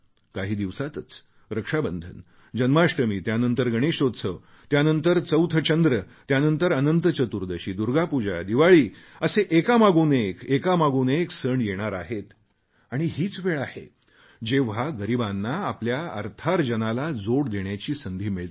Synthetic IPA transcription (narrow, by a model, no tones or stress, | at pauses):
kaɦiːd̪iʋsat̪ət͡s | ɾəkʂabənd̪ʱə̰n | d͡ʑənmaʂʈəmiːt̪janənt̪əɾɡʱəɽ̃eɕot̪sʰə | t̪janənt̪əɾt͡səwt̪ʰət͡ɕənd̪ɾə | t̪janənt̪əɾənənt̪ət͡ɕət̪uɾd̪əɕiːd̪uɾɡapud͡ʑa̰d̪iʋaɭiːəseʔekamaɡuːnekekamaɡuːneksəɳjeɽ̃aɾaɦet̪ | aɽ̃iɦiːt͡sʋeɭahḛ | d͡ʑeʋ̤aɡəɾibanːaːpljaə̰ɾt̪ʰaɾd͡ʑənalad͡zoɽd̪eɳjat͡ɕiːsənd̪ʱiːmiɭt̪